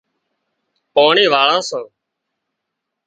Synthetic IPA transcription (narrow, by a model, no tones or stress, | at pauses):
poːɳiːʋaːɭãːsãː